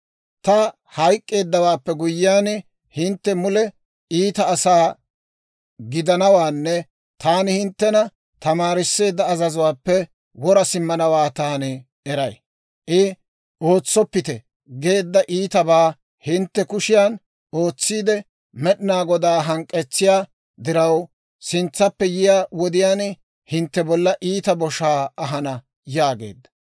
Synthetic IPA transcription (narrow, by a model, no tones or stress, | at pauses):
t̪ɐ | hɐjkʼːe̞ːd̪ːɐwaːpːɛɡʊjːɪaːn | hɪnt̪ːɛmʊlɛ | iːt̪ɐːsaː | ɡɪd̪ɐnɐwaːnːɛ | t̪aːnɪhɪnt̪ːɛnɐ | t̪ɐmaːɾɪsːe̞ːd̪ːɐːzɐzʊwaːpːɛ | wɔɾɐsɪmːɐnɐwaːt̪aːnɪ | ɛɾɐj | ʔɪ | o̞ːt͡sːɔpːɪt̪ɛ | ɡe̞ːd̪ːɐʔiːt̪ɐbaː | hɪnt̪ːɛkʊʃɪjaːn | o̞ːt͡sːiːd̪ɛ | mɛɗɪnaːɡɔd̪aːɦɐŋkʼːɛt͡sːɪjaː | d̪ɪɾɐw | sɪnt͡sːɐpːɛjɪjaːwɔd̪ɪjaːn | hɪnt̪ːɛbɔlːɐʔiːt̪ɐbɔʃaːɐɦɐnɐ | jaːɡe̞̰ːd̪ːɐ